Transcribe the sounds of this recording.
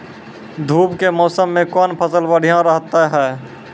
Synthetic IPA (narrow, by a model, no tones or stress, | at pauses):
d̪ʱuːpkemɔːsəmːẽkɔːnpʰəsəlʋəɽ̤ijãɾəɦt̪aɦɛː